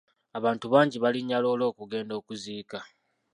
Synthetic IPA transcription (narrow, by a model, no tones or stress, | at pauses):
aβaːntuβaːɲɟiβaliɲːalo̞ːlo̞ːkuɡe̞ːndo̞ːkuziːka